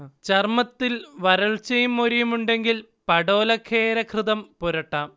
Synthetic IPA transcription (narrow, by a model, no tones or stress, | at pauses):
t͡ɕɐrmɐt̪ːilʋɐɾɐɭt͡ɕɐjumːoɾijumuɳɖe̞ŋɡil | pɐɽo̞ːlɐkʰːe̞ːɾɐkʰrɨðɐmpoɾɐʈːaːm